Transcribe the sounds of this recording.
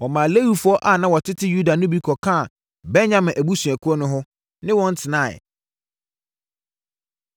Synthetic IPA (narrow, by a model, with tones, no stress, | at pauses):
wɔ˨mã˨le˦wi˨fʊ˦ɔ˦ʔa˨nã˦wɔ˨tʰɪ˦tʰɪ˦ju˦da˨nʊ̃˦bi˦kʰɔ˨kʰã˦˨ | bɛ˦nɲã˦˨mɪ̃˨ʔæ˨bu˦su˨æ˨kʰu˦ɾɔ˦nʊ̃˦ɦʊ˦ | nɪ̃˦wɔ̃˦n̩˦tʰɪ˨nã̰˦˨